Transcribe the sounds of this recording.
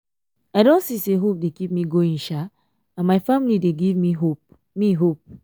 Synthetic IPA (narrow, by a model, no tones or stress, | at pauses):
aɪdõntsiseɦop̚dekip̚miɡoĩŋʃa | ãnmaɪfamilideɡivmiɦop̚ | miɦop̚